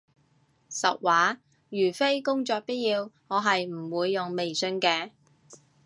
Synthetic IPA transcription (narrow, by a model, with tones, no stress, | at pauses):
sɐ˨k̚waː˨˥ | jyː˨˩fe˥jkʊ˥ŋt͡sɔː˧k̚pi˥t̚jiː˧wŋɔː˨˧ɦɐ˨jm̩˨˩wuː˨˧jːʊ˨ŋme˨jsɵ˧nkɛː˧